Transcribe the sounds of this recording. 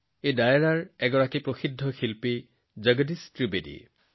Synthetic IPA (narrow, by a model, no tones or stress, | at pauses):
ejdajɛɹaɹɛɡɔɹakipɹoxidʱːɔxilpi | zəɡədistɹibedḭ